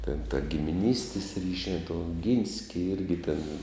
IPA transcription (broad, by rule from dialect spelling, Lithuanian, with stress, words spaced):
tʲɛn tɐ ɡʲɪmʲɪˈnʲiːsʲtʲɪs ˈrʲiːʃʲæː tuː oːˈɡʲiːnʲsʲkʲɪ ˈɪrʲɡʲɪ tʲeːn